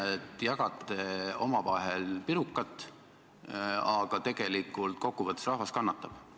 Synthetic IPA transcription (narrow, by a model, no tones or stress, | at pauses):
et̪ːjɑɡ̥ɑt̪ːˑeo̞mɑvɑɦelpiɾukːˑɑt̪ːˑ | ɑɡ̥ɑt̪e̞ɡe̞likːˑult̪̚ko̞kˑːuvɤt̪ːˑu̥srɑhɦvɑskɑnːɑt̪ːˑɑb̥